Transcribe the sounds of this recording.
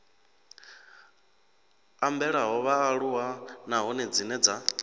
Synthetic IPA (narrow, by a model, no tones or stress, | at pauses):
ambɛɺaɦɔβaːɺuwanaɦɔnɛd͡zinɛd͡za